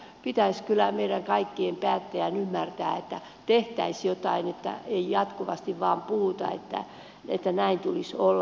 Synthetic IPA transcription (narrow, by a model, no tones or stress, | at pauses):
pit̪æiskylˑæmeiɾæŋkɑikːiempæːt̪ːejænymːært̪æːet̪ːæ | t̪eht̪æisjot̪ɑinet̪ːæ̰eijɑt̪kuʋɑst̪iʋʋɑːmpuhut̪ɑ̰ḛt̪ːæ̰ | ḛt̪ːænæint̪ulisolː